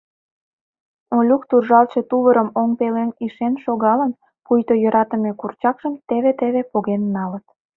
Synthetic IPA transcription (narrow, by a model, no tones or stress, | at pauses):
olʲukt̪urʒɑlʃet̪uβəɾəmoŋpeleniʃenʃoɣɑlən | pujt̪ojəɾɑt̪əmekurt͡ɕɑkʃəmt̪eβet̪eβepoɣenːɑlət̪̚